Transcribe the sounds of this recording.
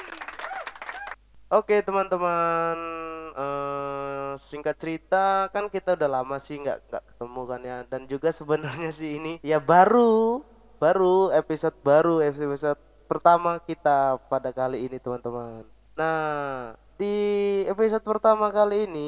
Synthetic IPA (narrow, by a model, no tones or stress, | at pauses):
ʔoket̪əmant̪əmanə | siŋkat̪̚t͡ʃəɾit̪akankit̪audaɦlamasɪhŋɡa̰ʔŋɡa̰ʔkə̥t̪əmukanjadand͡ʒuɡasəbənarɲasɪɦːnijabaɾu | baɾuepisot̪̚baɾueepisot̪̚ | pərt̪amakit̪apadakaliːnit̪əmant̪əmanː | a | diepis̬ot̪̚pərt̪amakaliːni